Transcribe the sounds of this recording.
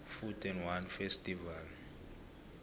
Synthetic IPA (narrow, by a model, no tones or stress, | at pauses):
futʰʼɛnwanfestʼival